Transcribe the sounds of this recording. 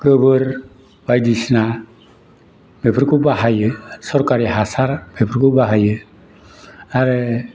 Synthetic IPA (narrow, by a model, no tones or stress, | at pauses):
ɡɯbɯɾ | b̥ajdisna | mepʰɾkʰubaɦajɯsɔɾkaɾiɦasaɾbepʰɾkʰubaɦajɯ | aɾɯ